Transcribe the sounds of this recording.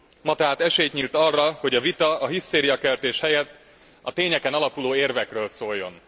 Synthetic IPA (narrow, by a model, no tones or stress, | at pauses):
mɒt̪aːt̪ɛʃeːjt̪ɲiːlt̪ɒrːɒho̞ɟɒvit̪ɒɒɦist̪eːɾijɒkɛlt̪eːʃhɛjɛt̪ː | ɒt̪eːɲɛkɛnɒlɒpuloːeːrvɛkrøːlsoːjːo̞n